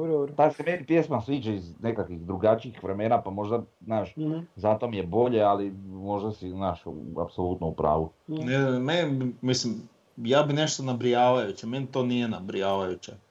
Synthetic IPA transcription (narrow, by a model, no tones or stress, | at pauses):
boɾt̪asemenipjesmasʋiːt͡ʃaizne̞kakʋiɣd̪ɾuɡat͡ʃiixʋɾeme̞ːnapamo̞ʒd̪aznaːʃzat̪o̞mije̞bo̞ʎe̞alimo̞ʒd̪asiznaːʃa̰pso̞lˠuːt̪noupɾa̰ːʋunemenibimislim | jaːbine̞ʃt̪onabɾijaːʋajut͡ɕemenit̪oːnijenabɾijaːʋajut͡ɕe